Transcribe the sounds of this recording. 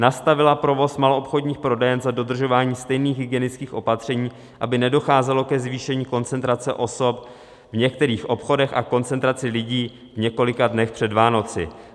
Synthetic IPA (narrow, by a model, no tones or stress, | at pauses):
nast̪avɪlapɾo̞vo̞smalo̞ʔopxo̞dɲiːxpɾo̞dɛjɛnzado̞d̪r̩ʒo̞vaːɲiːst̪ɛjniːxɦɪɡɪjɛnɪt͡skiːxʔo̞pat̪r̥ɛɲiː | ʔabɪnɛdo̞xaːzɛlo̞kɛzviːʃɛɲiːko̞nt͡sɛnt̪ɾat͡sɛ̰ʔo̞so̞p | vɲɛk̚t̪ɛɾiːxʔo̞pxo̞dɛxa̰ko̞nt͡sɛnt̪ɾat͡sɪlɪɟiː | vɲɛko̞lɪkadnɛxpr̝̥ɛdvaːno̞t͡sɪ̰